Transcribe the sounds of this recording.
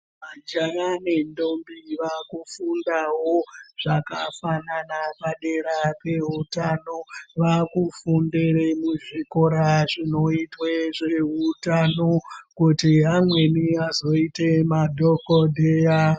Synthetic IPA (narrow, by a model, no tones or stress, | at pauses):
mad͡ʒanane̞ndo̞mbiʋakufundaɦo̞ʐ̥akafananapaɗe̞ɾape̞ɦutanoʋakufundeɾemuʐiko̞ɾaʐino̞itweʐeɦutanokutiɦamwe̞niazo̞ite̞madʱo̞kodʱeja